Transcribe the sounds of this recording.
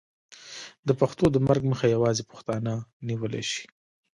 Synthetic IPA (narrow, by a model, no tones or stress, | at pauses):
d̪əpaxt̪od̪əmaɾɡməxajawɑzepʊ̥xt̪ɑnəniwəlḛʃi̥